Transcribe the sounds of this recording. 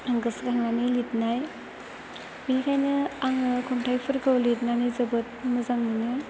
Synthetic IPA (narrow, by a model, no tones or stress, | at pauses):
aŋɡɯskaŋnanɯlitnaj | binikʰajnɯaŋɯkʰumtʰajpʰɯɾkɯwlit̚nanizɯbɯt̚mɯzaŋmɯnɯ